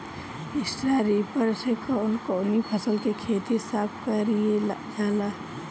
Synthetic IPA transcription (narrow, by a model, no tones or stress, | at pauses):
ɪsʈɾaɾiːpəɾsekaːnkoːnipʰəsəlkekʰeːt̪isaːp̚kaɾied͡ʒaːlaː